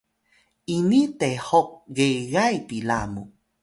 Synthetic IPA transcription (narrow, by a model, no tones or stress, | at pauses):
inĩt̪ehok̚ɡeɣajpilamṵ